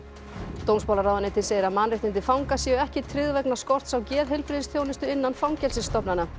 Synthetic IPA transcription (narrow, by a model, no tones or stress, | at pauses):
t̪ownspawlaɾraːwðaneːt̪ɪnseːjɪɾaðmaːnrɪht̪ɪnt̪ɪfawŋkasjɛʏɛhcɪt̪ʰɾɪðvɛknaskɔr̥t̪sawcɛːðɦɪlpɾɪðɪsθjoːwnɪst̪ʏɪnːanfawŋcɛlsɪst̪ɔpnana